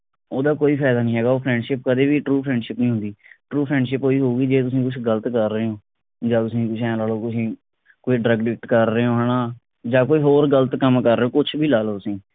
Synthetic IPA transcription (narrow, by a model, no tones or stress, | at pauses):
oːd̪aːkoːiːpʰaːd̪aːnĩːɦɛːɡaːoːpʰɾɛ̃ːɳɖʃɪp̚kəd̪eːbiːʈɾuːpʰɾɛ̃ːɳɖʃɪpnĩːɦʊ̃nd̪iːʈɾuːpʰɾɛ̃ːɳɖʃɪpoːiːɦoːɡiːd͡ʒeːt̪ʊsĩːkʊt͡ʃʰɡələt̪kəɾːəeõː | d͡ʒaːt̪ʊsĩːk̪ʊsʰɛ̃ːlaːloːkʊsĩː | koːiːɖɾəɡɖɪk̚ʈkəɾːeoːɦənaː | d͡ʒaːkoːiːɦoːɾɡəlt̪kəmkəɾːeõːkʊt͡ʃʰbʱiːlaːloːt̪ʊsĩː